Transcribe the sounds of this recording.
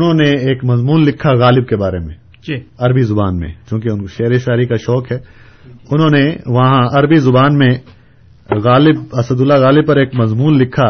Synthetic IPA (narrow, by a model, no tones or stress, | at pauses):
ʊnɦõneeːkmɐzmuːnlɪkʰːaɣaːlɪb̚kebaːɾemḛ̃ | ɐɾbizʊbaːnmḛ̃t͡ʃjõːk̬iʊnʃɐɦɾiʃaːɾikaʃɔːkɦɛː | ʊnɦõːneʋɐɦãɐɾbizʊbaːnmẽ | ɣaːlɪb̚ɐsəd̪ʊlːaɣaːlɪb̚pɐɾeːkmɐzmuːnlɪkʰa